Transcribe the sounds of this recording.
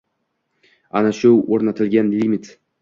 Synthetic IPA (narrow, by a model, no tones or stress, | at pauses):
a̰naʃʊoɾnat̪ʰɪlɡʲanlimɪt̪